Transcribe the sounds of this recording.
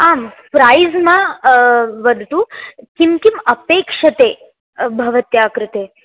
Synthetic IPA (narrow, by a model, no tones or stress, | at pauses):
ampɾajzmã | ʋəd̪ʱt̪ũkimkiməpeːkʃət̪e | bʱɐʋət̪jaːkɾɪt̪e